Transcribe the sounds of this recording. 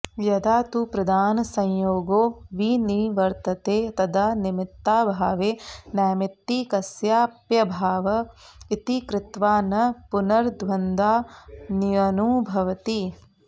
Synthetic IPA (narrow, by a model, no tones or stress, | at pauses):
jɐd̪aːt̪upɾɐd̪aːnɐsɐ̃jjoːɡoːʋiniʋɐɾt̪ɐt̪eːt̪ɐd̪animit̪ːaːbʱaːʋeːnaːmit̪ːikɐsjaːpjɐbʱaːʋɐit̪ikɾɪt̪ʋaːnɐpunɐɾd̪ʋɐnd̪aːnijɐnuːbʱɐʋɐt̪i